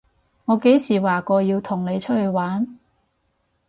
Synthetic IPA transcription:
ŋɔː˨˧ke˨˥jsiː˨˩waː˨˩kɔː˧jiː˧wt̪ʰʊ˨˩ŋne˨˧jt͡ʃʰɵ˥t̚hɵ˧ɥwaː˨˥n

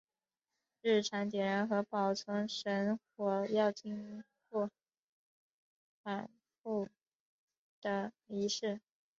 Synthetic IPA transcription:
ɻ̩˥˩ʈ͡ʂʰa˧˥ŋt̪jɛ˨˩ɻa˧˥nxɤ˧˥pɑ˨˩ʊt͡sʰə˧˥ŋʂə˧˥nxwɔ˨˩jɑ˥˧ʊt͡ɕi˥ŋ | kɔ˥˩ | fa˨˩n | fu˥˩ | d̪̥ə˩i˧˥ʂɻ̩˥˩

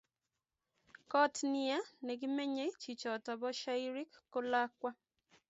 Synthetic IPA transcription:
kɔ˦tnɪ˨a˦nɛ˨ɡɪ˦me˦ɲe˦t͡ʃi˨t͡ʃɔ˨ta˨bɔ˦ʃa˦i˦ɾi˦kːo˦la˦kwa˦

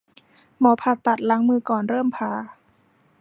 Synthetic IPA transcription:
mɔː˩˦pʰa˧˩t̪ːa˨˩t̪̚la˨˦ŋmɯː˧kɔː˨˩nɾɤː˥˩mpʰaː˧˩

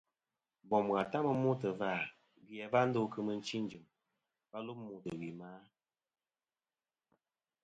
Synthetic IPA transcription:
bɔ˨m˨ɣa˨ta˦mə˦mo˦tə˨va˦˨ | bjɛ˨va˦n̩˦do˦kə˦mə˦n̩˦t͡ʃi˦n˨˦d͡ʒɨ˨m | pa˦lu˦pmu˨tə˨wi˨maː˦

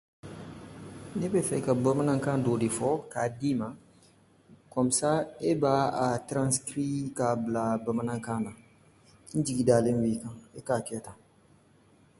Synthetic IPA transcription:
ne˦bɛ˦fɛ˦ka˨ba˦ma˦nã˦ŋkã˦do˨de˨fɔ˦ka˨di˦ma˨ | kɔ˨m˨sa˦e˦ba˦a˨tɾã˦skɾi˦ka˨bila˨ba˨ma˦nã˦ŋkã˦na˨ | ĩ˦d͡ʒi˨ɡi˨daː˦lẽ˦wi˦kã˨e˦ka˨kɛ˦ta˨

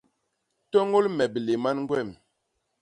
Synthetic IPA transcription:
tɔ˦ŋo˦lmɛ˨ble˨ma˦nŋɡwɛ˦˨m

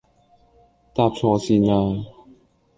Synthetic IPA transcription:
t̪aː˧p̚t͡sʰɔː˧siː˧naː˧

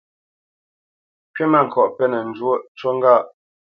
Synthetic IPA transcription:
kɥe˦ma˦˨ŋ̩˨kʰɔ˨ʔpɛ˦nə˨n̩˨d͡ʒwo˦t͡ʃwo˦ŋ˦ɡa˦˨ʔ

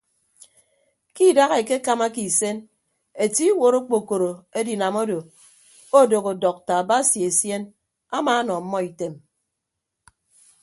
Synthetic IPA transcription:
ki˦˨da˦ɣe˨ke˦ka˦ma˦ki˨se˦n | e˨ti˦wo˨ɾo˦k͡po˨ko˨ɾo˨e˦di˨na˨mo˦do˨ | o˦˨do˨ɣo˨dɔ˨k̚ta˨ba˦sje˨e˨sje˦n | a˦maː˨˦nɔ˨m̩˦mɔ˦i˨te˨m

